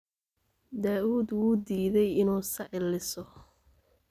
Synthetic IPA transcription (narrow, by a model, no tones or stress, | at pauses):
d̪aːʔuːd̪wuːd̪iːðɛjɪnuːsɐʕɪlɪsɔ